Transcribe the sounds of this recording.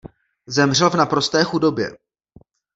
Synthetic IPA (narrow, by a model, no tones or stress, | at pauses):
zɛmr̝ɛlvnapɾo̞st̪ɛːxudo̞bjɛ̰